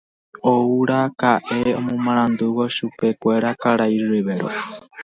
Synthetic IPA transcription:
ouɾakaʔeo̰mõmaɾ̃and̪uwoʃupekʷeɾakaɾaiɾɾiβeɾo̰

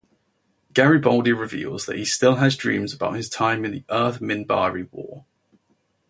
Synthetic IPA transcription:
ɡ̥aɹibɒlˠdiɹɪvḭːlˠz̥ðə̰ʔhistɪlˠəzdɹĩːmzəbaʊʔ̚hɪz̥tʰãɪ̃mɪ̃nðiʔɜˑθmɪ̃nba̰ːɹiwɔ̰ː

